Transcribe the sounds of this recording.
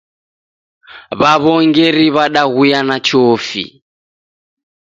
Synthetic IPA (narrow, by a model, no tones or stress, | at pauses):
βaβɔŋɡɛɾiβaɗaɣujanat͡ʃɔːfḭ